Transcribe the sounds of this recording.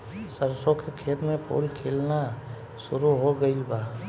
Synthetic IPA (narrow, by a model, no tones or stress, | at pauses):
səɾsõkekʰeːt̪mẽpʰo̰ːlkʰeːlna | sʊɾuɦoɡəɪlbaː